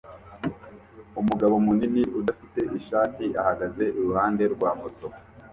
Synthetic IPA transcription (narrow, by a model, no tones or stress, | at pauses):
umuɡaβo̞muniniʔudafite̞ʔiʃaːtiahaɡaze̞ʔiɾuhaːnde̞ɾɡwaːmoto